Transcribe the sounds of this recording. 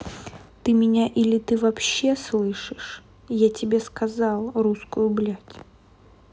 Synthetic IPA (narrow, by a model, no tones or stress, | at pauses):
t̪ɨmʲɪnʲaʔilʲɪt̪ɨvɐpɕːe̞slˠɨʂɨʂ | jatʲɪbʲeskɐzɑlˠruskʊjʊblʲatʲ